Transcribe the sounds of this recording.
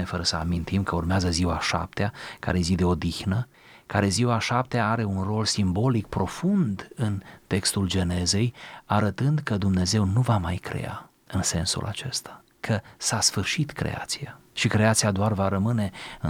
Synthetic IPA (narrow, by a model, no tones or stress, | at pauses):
efəɾəsəa̰mint̪imkəurmeazəziwaʃa̰p̚t̪eaka̰ɾe̞zid̪e̞o̞d̪ixnə | kaɾe̞ziwaʃap̚t̪eaaɾe̞unro̞lsimbo̞lik̚pɾo̞fund̪ɨnt̪e̞kst̪uld͡ʒe̞ne̞ze̞jaɾət̪ɨnd̪kəd̪umne̞ze̞wnuvamajkɾe̞̰a̰ | ɨnse̞nsṵlʔa̰t͡ʃe̞̰st̪ḁ | kʰəsasfɨrʃit̪kɾḛa̰t̪siaʃikɾe̞at̪siad̪oarvaɾəmɨne̞ɨ